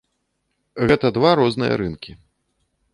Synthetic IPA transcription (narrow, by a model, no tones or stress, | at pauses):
ɣɛt̪ɐd̪vaɾɔznɨjɐ̰ɾɨnkʲi